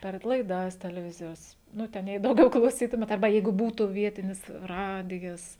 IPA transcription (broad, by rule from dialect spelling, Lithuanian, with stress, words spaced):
pʲɛr lˠɐɪˈdɐs tʲɛlʲɛˈʋʲɪzʲɪjoːs ˈnʊ ˈtʲɛn jɛɪ dɐʊˈɡʲɛʊ klˠɐʊˈsʲiːtʊmʲeːt ɐrˈbɐ ˈjɛɪɡʊ ˈbuːtʊ ˈʋʲiɛtʲɪnʲɪs ˈrɑːdʲɪjɛs